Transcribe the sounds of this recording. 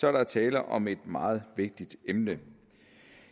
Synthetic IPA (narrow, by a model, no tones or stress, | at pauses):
sɒɐɾ̥ɑt͡sʰɛːlɐʔɒ̽me̝d̥mɑ̈ːð̞̩ˠʋe̝ɡ̥̚d̥id̥emnə